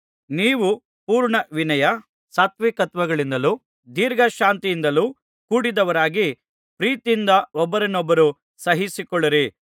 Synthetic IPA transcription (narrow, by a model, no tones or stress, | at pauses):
niːʋu | puːɾɳɐʋinɐjɐ | saːt̪ʋikɐt̪ʋɐɡɐɭind̪ɐlu | d̪iːɾɡʱɐʃaːnt̪ijind̪ɐluː | kuːɽid̪ɐʋɐɾaːɡi | pɾiːt̪ind̪ɐɔbːɐɾɐnɔbːɐɾu | sɐɦisikɔɭːɐɾi